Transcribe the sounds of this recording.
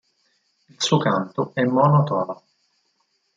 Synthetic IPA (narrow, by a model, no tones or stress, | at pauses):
ilsuːokant̪oɛmːɔnot̪ɔːla